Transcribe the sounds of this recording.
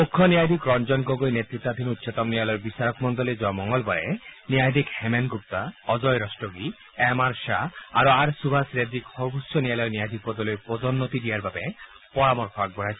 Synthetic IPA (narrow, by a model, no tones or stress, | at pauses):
mukʰːɔnijajd̪ʱikɾɔnd͡ʒɔnɡoɡojnet̪ɾit̪ːad̪ʱinut̪ːsɔt̪ɔmnialɔjɾbisaɾɔkmɔnd̪ɔled͡ʒɔamɔŋɡɔlbaɾḛniajd̪ʱikhemenɡup̚t̪aɔd͡ʒɔjɾɔsʈoɡi | ɛmaɾsaaɾuaɾsubʱasɾed̪ikhɔbʱusːɔnialɔjniajd̪ʱik̚pɔd̪ɔlojpɔdɔnːot̪iɖijaɾbabe | pɔɾamɔɾkʰɔaɡ̚bɔɽajsʰ